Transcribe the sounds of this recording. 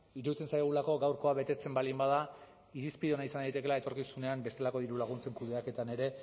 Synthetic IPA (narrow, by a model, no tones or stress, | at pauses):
iɾuit͡sensajɣ̞ulako̞ɡawɾko̞aβe̞t̪e̞t͡se̞mbalimbað̞a | iɾispiðonaisand̪ajt̪e̞kelae̞t̪o̞ɾkisune̞ambe̞st̪e̞lako̞ðiɾulaɣ̞unt͡se̞ŋkuðe̞ake̞t̪ane̞ɾe̞